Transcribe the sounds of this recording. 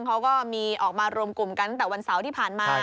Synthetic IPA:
ŋkʰa˦˥wkɔː˥˩miː˧ʔɔː˨˩k̚maː˧ɾu˧əmku˨˩mka˧nt̪̬ɛː˨˩wa˧nsa˩˦wt̪ʰiː˥˩pʰaː˨˩nmaː˧

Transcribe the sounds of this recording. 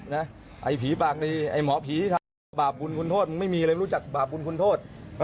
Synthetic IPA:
na˦˥ʔa˨˩jpʰiː˨˦paː˨˩k̚liː˧ʔa˨˩jmɔː˨˦pʰiː˨˦˧t̪ʰa˧ | baː˨˩p̚bu˧nkʰu˧nt̪ʰoː˥˩t̪̚m˧ma˥˩jmi˧˦˧t͡ɕa˨˩k̚baː˨˩p̚ɓu˧nkʰu˧nt̪ʰoː˥˩t̪̚ʔː

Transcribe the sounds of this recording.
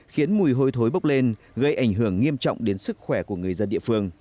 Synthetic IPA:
xi˨˦ənmu˨˩jɦo˧jt̪ʰo˨˦jɓə˦˥k͡p̚le˧n | ɣə˧jʔa˧˩jŋ̟ɦɨ˧˩əŋːi˧əmt͡ɕɔ̰˧˨wŋ͡mɗe˨˦nsɨ˦˥k̚xwɛ˧˩ku˧˩əŋɨ˨˩əjzə˧nɗḭ˧˨əfɨ˧əŋ

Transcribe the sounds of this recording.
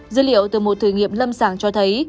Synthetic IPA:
zɨ˨˦lḭ˧˨əwt̪ɨ˨˩mo˨˩t̚t̪ʰɨ˧˨˩ŋḭ˧˨əmlə˧msaː˧˩ŋt͡ɕɔ˧t̪ʰə˨˦j

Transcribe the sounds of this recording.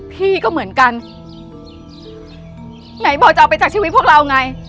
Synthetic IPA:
pʰiː˥˩kɔː˥˩mɯ˩˦ənka˧n | na˩˦jbɔː˨˩t͡ɕa˨˧˩pa˧jt͡ɕaː˨˩k̚t͡ɕʰiː˧˦˥t̪̚ʰu˥˩k̚ɾa˧wŋa˧j

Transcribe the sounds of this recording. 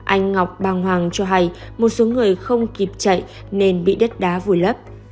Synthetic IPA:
ʔa˧jŋ̟ːa˨˩wk͡p̚ɓaː˧˩ŋɦwaː˨˩ŋt͡ɕɔ˧ɦa˧j | mo˨˩t̚so˨˦ŋɨ˨˩əjxə˧wŋ͡mki˨˩p̚t͡ɕə̰˧˨j | ne˧nɓḭ˧˨ɗə˦˥t̚ɗaː˨˦vu˨˩jlə˦˥p̚

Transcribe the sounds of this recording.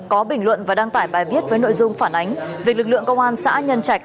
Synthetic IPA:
kɔ˨˦ɓï˧˩ŋ̟lwə̰˧˨nvaː˨˩ɗaː˧ŋt̪aː˧˩jɓaː˨˩jvi˦˥ət̚vəː˨˦no̰˧˨jzʊ˧ŋ͡mfaː˧˩nʔa˨˦jŋ̟vi˨˩ək̚lɨ˨˩k̚lɨ̰˧˨əŋkə˧wŋ͡mʔaː˧nsa̰ː˧˥ɲə˧nt͡ɕa˧˩k̚

